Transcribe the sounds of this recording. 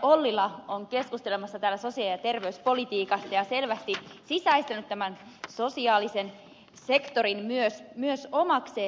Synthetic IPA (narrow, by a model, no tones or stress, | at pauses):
olːilːˑɑoŋke̞skust̪elemɑsːɑt̪æːlːæso̞siɑljɑt̪e̞rʋeyspo̞lit̪iːkɑsːɑjɑse̞lʋæst̪isisæist̪enyt̪t̪æmæn | so̞siɑːlisen | se̞kt̪o̞rinmyøsmyøsomɑkseː